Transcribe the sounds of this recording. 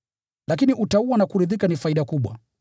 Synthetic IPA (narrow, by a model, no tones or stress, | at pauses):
lak̬iniʔutauwanakuɾiðikanifaiɗakuɓwa̰